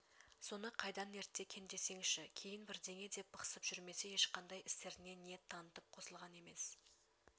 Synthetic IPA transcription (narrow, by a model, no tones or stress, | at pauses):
so̞nəqʰɑjd̪ɑne̞ɾt̪ːe̞kʲʰe̞nd̪e̞se̞ŋʃɪkʲʰe̞jɪnbɪɾd̪e̞ŋe̞d̪e̞p̚bɑqə̥səpʒ̥ʏɾme̞se̞je̞ʃqʰɑnd̪ɑjɪst̪e̞ɾɪne̞net̪ʰːɑnət̪əp̚qʰo̞səlˠʁɑne̞me̞s